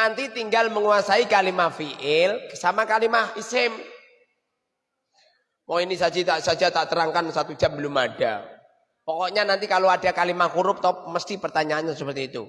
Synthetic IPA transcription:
nant̪it̪iŋɡalməŋuasaikalimahfiʔɪlsamakalimahisɪm | mɔŋinisad͡ʒit̪aʔsad͡ʒat̪aʔt̪əɾaŋkansat̪u̥d͡ʒ̥ambəlʊmad̥a | pɔkɔʔɲanant̪ikaloadakalimahkuɾʊp̚t̪ɔp̚məst̪ipərt̪aɲaːɲasəpərt̪iːt̪ṵ

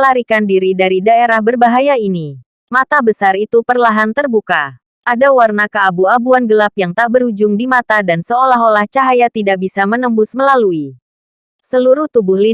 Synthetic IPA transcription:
laɾikandiɾidaɾidaeɾahbərbaɦajaini | mat̪abəsarit̪upərlaɦant̪ərbuka | ʔadawarnakəabuabuanɡəlapjaŋt̪aʔbəɾud͡ʒʊŋdimat̪adansəolaɦolaht͡ʃaɦajat̪idaʔbisamənəmbʊsməlalui | səluɾʊht̪ubʊhli

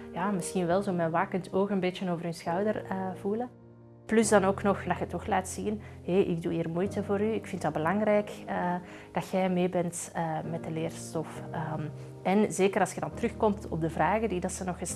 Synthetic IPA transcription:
jaːmɪsxinʋɛlˠzoːmɛnʋaːkəntʰoːxəmbeːtjənoːvərysxœwdərəvulə | plɵzdɑnoːknɔxdɑxətːɔxlaːtsinheːʔɪɡ̚duːiːrmujtəvoːɾyɪkfɪntdɑbəlɑŋrɛjkəd̥ɑtxɛjmeːbɛnt | əːmɛt̚dəleːrstɔfəː | ʔɛnzeːkərɑlˠsxədɑntrɵxkɔmtɔ̰b̚dəvraːɣədidɑtsənɔxəs

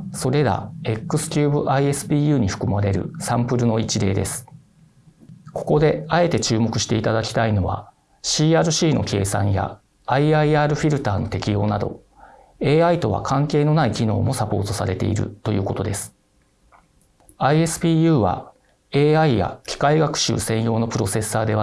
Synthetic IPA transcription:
so̞ɾe̞ɾa̰e̞kːɯ̟sɨ̥kʲɨːbɯʔaie̞sɨ̥pʲiːjɯ̟ːɲ̟iɸɯ̟̥kɯ̟maɾe̞ɾɯ̟̰sãmpɯ̟ɾɯ̟no̞it͡ɕid̪e̞ːd̪e̞sɨ̥ | ko̞̥ko̞d̪e̞ae̞t̪e̞t͡ɕɨːmo̞kɯ̟ɕi̥t̪e̞it̪ad̪akʲi̥t̪aino̞βa̰ | ɕiːaːɾɯ̟ɕiːno̞̰kʰe̞ːsãɰ̃ja̰ː | iaiaːɾɯ̟ɸʲiɾɯ̟t̪aːno̞t̪e̞kʲijo̞ːnad̪o̞̰ | e̞ːait̪o̞βa̰kʰãŋke̞ːno̞naikʲino̞̰ːmo̞sapo̞̰ːt̪o̞saɾe̞t̪e̞ḭɾɯ̟̰t̪o̞jɯ̟ːko̞t̪o̞d̪e̞sɨ̥ | aie̞sɨ̥pʲiːjɯ̟ːβa̰ | eːaija̰kʲi̥kaiɡakɯ̥ɕɨ̰ːsẽ̞jo̞ːno̞pɯ̟ɾo̞se̞sːaːd̪e̞βa

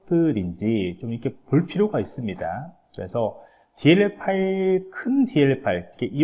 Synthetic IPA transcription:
dɯɾind͡ʑit͡ɕomikʰe̞poɭpʰiɾjoɡais͈ɯmɲida̰kɯɾe̞sʰʌ | tie̞ɭepʰaikʰɯndie̞ɭepʰaɭk͈eʔi

